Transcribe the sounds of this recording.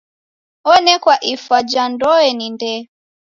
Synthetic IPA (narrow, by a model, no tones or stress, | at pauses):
ɔnɛkwaʔifad͡ʒandɔɛnindɛ